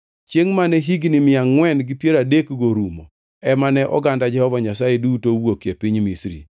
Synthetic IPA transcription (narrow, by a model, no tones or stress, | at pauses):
t͡ʃjeŋmanɛɦiɡnɪmɪaŋːwɛnɡɪpjeɾadekɡoɾumo | ɛmanɛʔɔ̰ɡandad͡ʒɛhɔvaɲasajedutowokjepiɲmisɾḭ